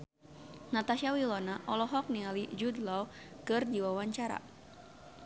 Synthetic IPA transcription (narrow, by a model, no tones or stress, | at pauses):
nat̪aʃawilɔnaʔɔlɔɦɔk̚nialid͡ʒud̪lɔw | kɨrdiwawaɲt͡ʃaɾa̰